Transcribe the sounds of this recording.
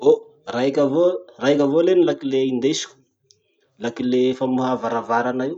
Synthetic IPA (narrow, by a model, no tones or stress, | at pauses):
o | raikʲavoraɦikʲavolenilakileind̪esi̥ku̥ | lakilefamuɦavaɾavaɾanaiw